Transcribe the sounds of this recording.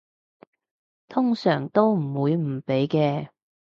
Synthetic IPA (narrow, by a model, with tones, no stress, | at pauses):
t̪ʰʊ˥ŋsœː˨˩ŋt̪o˥wm̩˨˩wuː˨˧jm̩˨˩pe˨˥jkɛː˧